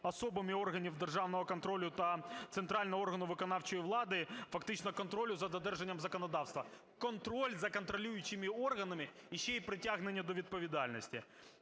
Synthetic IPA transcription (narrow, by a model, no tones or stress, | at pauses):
ɐso̞bɨmʲɪo̞rɣɐnʲɪvd̪ɨrʐavnəvɐkɐnt̪ɾo̞lʲʊt̪ɐt̪sɨnt̪ɾalʲnɐo̞rɣɐnʊʋɨkɐnaft͡ɕɔjvlˠad̪ɨfɐk̚t̪ɪt͡ɕnɐkɐnt̪ɾo̞lʲʊzɐd̪ɐd̪ɛrʐɛnʲjəmzɐkɐnɐd̪afst̪vɐ | kɐnt̪ɾo̞lʲzɐkɐnt̪ɾɐlʲujʊt͡ɕːɪmʲɪorɣɐnɐmʲɪjɪɕːeipɾʲɪtʲaɣnɪnʲːɐd̪ɔvʲɪd̪̚pəvʲɪd̪alʲnɐsʲtʲɪ